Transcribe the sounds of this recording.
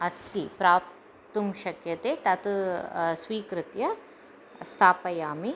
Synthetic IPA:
ɐst̪ipɾaːp | t̪umʃɐkjɐt̪eːt̪ɐt̪ | sʋiːkɾɪt̪jɐ | st̪ʰaːpɐjaːmi

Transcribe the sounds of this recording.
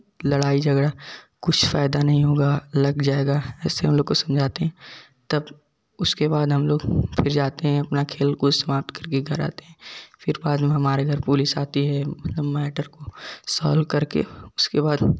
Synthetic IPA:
lɐɽaːid͡ʒʱɐɡɽa | kʊt͡ʃʰfaːɪd̪anɐɦĩɦoːɡalɐɡd͡ʒaːeːɡaɛːseɦɐmloːɡkosɐmd͡ʒʱaːt̪eɦɛ̃ | t̪ɐb | ʊskebaːd̪ɦɐmloːɡfʰɪɾd͡ʒaːt̪eɦɛ̃ɐpnakʰeːlkoɪst̪ɐmaːb̚t̪kɐɾkeɡʱɐɾa̰ːt̪eɦɛ̃ːfɪɾbaːd̪mẽɦɐmaːɾeɡʱɐɾpulisaːt̪iɦɛmɐt̪ləbmɛːʈəɾkosɔ̰ːlkɐɾkḛʊskebaːd̪

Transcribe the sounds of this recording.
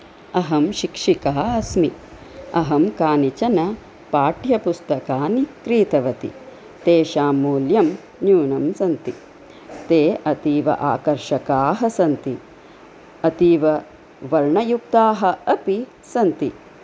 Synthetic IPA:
ɐɦɐmʃikʂikaːɐsmi | ɐɦɐmkaːnit͡ʃɐnɐ | paːʈjɐpust̪ɐkaːnikɾiːt̪ɐʋɐt̪ḭ | t̪eːʃaːmuːljɐm | njuːnɐmsɐnt̪i | t̪eːʔɐt̪iːʋɐ̰ʔa̰ːkɐɾʃɐkaːɦɐsɐnt̪i | ɐt̪iːʋɐ | ʋɐɭɳɐjuk̚t̪aːɦɐɐpi | sɐnt̪i

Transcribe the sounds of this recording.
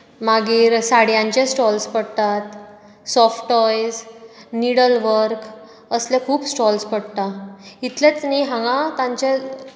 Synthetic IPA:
maɡiːɾsaɽjãɲt͡ɕẽsʈɔlspəɽt̪at̪ | sɔfʈɔjsniɽəlʋəɾk | əslẽkʰuːpsʈɔlspəɽt̪ait̪let͡sniɦãŋɡãt̪ãɲt͡ɕe

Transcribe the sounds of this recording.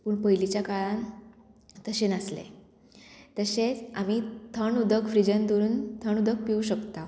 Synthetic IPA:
pəɳpəjlit͡ɕjakaɭan | t̪əɕenəslḛ | t̪əɕet͡sam̤it̪ʰəɳud̪ʱəkfɾid͡ʑənd̪oɾuːnt̪ʰəɳud̪ʱək̚piuɕəkt̪a

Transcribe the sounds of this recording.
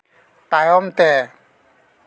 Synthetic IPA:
t̪ajɔmt̪ɛ

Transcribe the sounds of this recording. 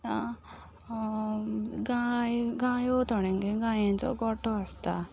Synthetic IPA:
a | ɡaːjɡaːjot̪ɔɽeŋɡeɡaːjent͡ʃo̰ɡɔʈːoɐst̪a

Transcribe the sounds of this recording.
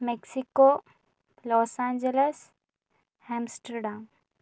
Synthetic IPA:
meksiko | lɔːsãːnd͡ʒeles | hɛ̃msʈəɾɖaːm

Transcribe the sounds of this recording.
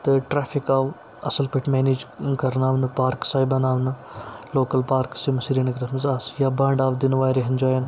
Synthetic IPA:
t̪ɐʈɾaːfʰikaːʋ | ɐsɐlpɐʈʰmeːniːd͡ʒkɐɾnaːʋnɨpaːɾksaːjbɐnaːʋnɨ | loːkɐlpaːɾksimɐsiːɾiɐnɐkɾɐmɐzaːsjaːbãːɳɖaːʋd̪inʋaːjɾeɦɐnd͡ʒaːjɐn

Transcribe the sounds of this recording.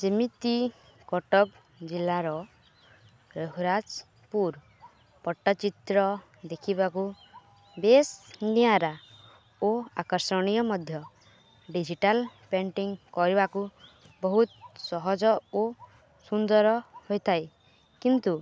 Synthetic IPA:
d͡ʒimit̪i | kɔʈɔk | d͡ʒilːaɾɔ | ɾɔɦɾad͡ʒ | puɾ | pɔʈːat͡ʃit̪ɾɔ | d̪ekʰibaku | besnijaɾa | oakɔɾsɔɽ̃ijɔmɔd̪ʱjɔ | ɖid͡ʒiʈalpeɳʈiŋkɔɾibaku | bɔɦut̪sɔɦɔd͡ʒɔo | sund̪ɔɾɔhojt̪ʰaj | kint̪u

